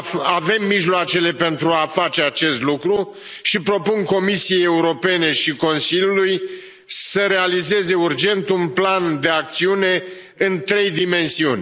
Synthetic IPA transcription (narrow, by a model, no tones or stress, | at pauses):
ave̞mːiʒloat͡ʃe̞le̞pe̞nt̪ɾuafat͡ʃe̞at͡ʃe̞st̪lukɾu | ʃipɾo̞punko̞misije̞je̞uɾo̞pe̞ne̞ʃiko̞nsilʲjuluj | səɾe̞alize̞ze̞urd͡ʒe̞nt̪unpland̪e̞ak̚t̪siune̞ | ɨnt̪ɾe̞jd̪ime̞nsiunʲ